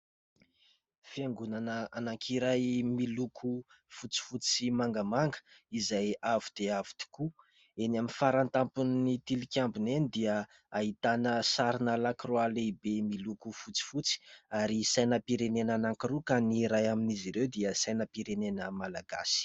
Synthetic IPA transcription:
fiaŋɡunanəanaŋkʰiɾajmilukʰu | fut͡si̥fut͡simaŋɡəmaŋɡə̥izajavud̪̥eavi̥d̪i̥ku | enaminfaɾant̪ampunːit̪ilikʲjambunenid̪iə | ait̪anəsaɾinəlakiroalebemilukufut͡si̥fut͡si̥aɾisajnəpiɾenenanaŋkiɾukaniɾajaminiziɾewd̪iəsajnəpiɾenenəmalaɡa̰si̥

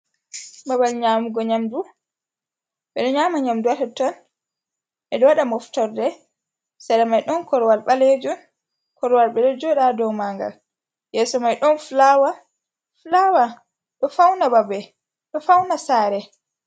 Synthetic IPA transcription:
babalɲaːmuɡɔɲamdu | ɓɛɗɔɲaːmaɲamduwatatɔn | ʔɛɗɔwaɗamɔftɔɾdɛ | sadamajɗɔnkɔɾwalɓaled͡ʒɔn | kɔɾwalɓɛlɛd͡ʒɔɗadɔmaŋɡa̰l | jɛːsɔmajɗɔnflawa | flawa | ɗɔfawnababɛ | ɗɔfawnasaːɾɛ

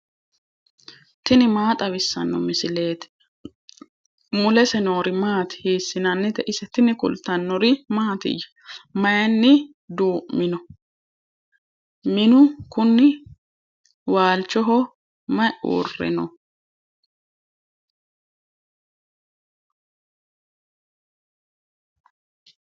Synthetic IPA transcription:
t̪ɪnɪmaːt̪ʼɐβɪsːɐnːɔmɪsɪle̞ːt̪ | mʊlɛsɛnoːɾɪmaːt̪ɪ̥hiːsːɪnɐnːɪt̪ɛʔɪsɛt̪ɪnɪkʊ̰lt̪ɐnːɔɾɪmaːt̪ɪ̰jɐ̥ | mɐjɐnːɪ | d̪uːʔmɪnɔ | mɪnʊkʊnːɪ | waːlt͡ʃːɔɦɔ | mɐjṵːrːɛ̰nɔ

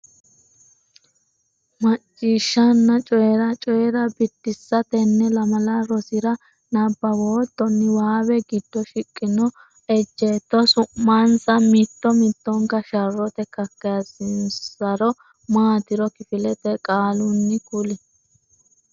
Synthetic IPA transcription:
mɐt͡ʃʼːiːʃːɐnːɐt͡ʃʼɔjɛɾɐt͡ʃʼɔjɛɾɐbɪt̪ːɪsːɐt̪ɛnːɛlɐmɐlɐɾɔsɪɾɐ | nɐbːɐwoːt̪ːɔnːɪwaːbɛɡɪd̪ːɔʃɪkʼːɪnɔ | ɛd͡ʒːet̪ːɔsʊmːansɐmɪt̪ːɔmɪt̪ːɔŋkɐʃɐrːɔt̪ɛkɐkːɐjɐsɪnsɐɾɔ | maːt̪ɪɾɔkɪfɪlɛt̪ɛkʼaːlʊnːɪkʊlɛ

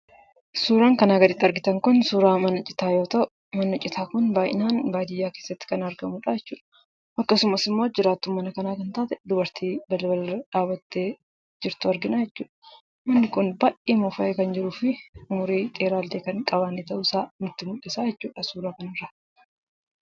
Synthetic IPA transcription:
suːɾaːŋkɐnaːɡɐd̪ɪt̪ːɐɾɡɪt̪ɐŋkʊnsuːɾaːmɐnːɔt͡ʃʼːɪ̥t̪aːjo̞ːt̪ɐʔʊʊmɐnːɔt͡ʃʼːɪt̪ʰaːkʊnbaːjɪ̰naːnbaːd̪ɪjːaːkeːsːɐt̪ːɪ̥kɐnɐɾɡɐmuːᶑaːjɛt͡ʃːuːᶑɐ̥ | ʔɐkːɐsʊmɐsɪmːo̞ːd͡ʒɪɾaːt̪ːʊmːɐnɐkɐnaːkɐnt̪aːt̪ɛd̪ʊbɐɾt̪ʰiːbɐlɐbɐlɐrɐᶑaːbɐt̪ːeː | d͡ʒɪɾt̪ʊɐɾɡɪnaːjɛt͡ʃːuːᶑɐ̥ | mɐnːɪkʊnbaːʔʔiːmʊfɐʔeːkɐnd͡ʒɪɾuːfɪʊmʊɾiːt̪ʼeːɾaːld̪eːkɐŋkʼɐbaːnːeːt̪ɐʔʊsaːmɪt̪ːɪmʊᶑːɛsaːjɛt͡ʃːuːᶑɐsuːɾaːkɐnɪrːɐ

